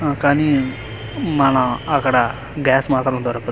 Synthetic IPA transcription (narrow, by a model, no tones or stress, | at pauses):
kaːniː | maːnãːəkɽaː | ɡɛːsmaːt̪ɾnõːd̪ɔːɾapə